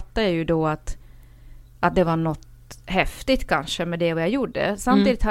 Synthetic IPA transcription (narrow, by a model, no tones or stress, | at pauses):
t̪ːajajɵd̪ɔat̪ | ʔat̪̚d̪ɛvaɳɔt̪ | hɛft̪ɪt̪kʰanʂəmɛd̪ɛvɔjajuɖːə̰samt̪iːd̪ɪt̪ha